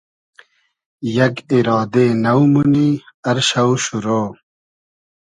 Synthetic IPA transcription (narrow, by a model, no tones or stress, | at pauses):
jɐɡiɾɑːd̪eːnɐwmuniɐɾɕɐwɕuɾoː